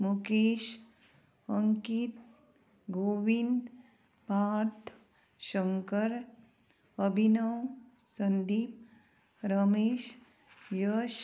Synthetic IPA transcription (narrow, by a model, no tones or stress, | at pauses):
mukeːʃ | əŋkit̪̚ | ɡoːʋind̪ | paːɾt̪ʰ | ʃəŋkəɾ | əbʱinəw | sənd̪iːp̚ | ɾəmeːʃ | jəʃ